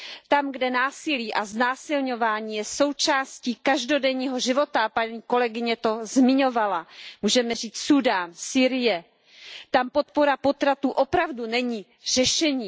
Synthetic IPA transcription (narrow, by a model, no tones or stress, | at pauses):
t̪amɡdɛnaːsɪliːʔaznaːsɪlɲo̞vaːɲiːjɛso̞wt͡ʃaːsciːkaʒdo̞dɛɲiːɦo̞ʒɪvo̞t̪apaɲiːko̞lɛɡɪɲɛt̪o̞zmɪɲo̞valamuːʒɛmɛriːt͡ssudaːnsiːɾɪjɛ | t̪ampo̞t̪̚po̞ɾapo̞t̪ɾat̪uːʔo̞pɾavdunɛɲiː | r̝̥ɛʃɛɲiː